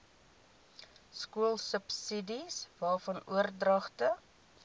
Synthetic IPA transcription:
skuəlˠsəpsidisvɑːfɐnṵərdrɐχtə

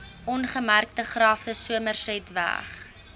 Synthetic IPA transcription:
ʔɔnχəmærk̚təχrɑːftəsuəmərsɛjtvæ̰χ

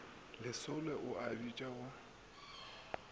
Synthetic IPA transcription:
lɪsʊlɛʔʊʔabit͡ʃʼaʊ

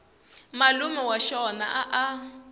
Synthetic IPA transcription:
malumɛwaʃɔna̰ʔaʔa

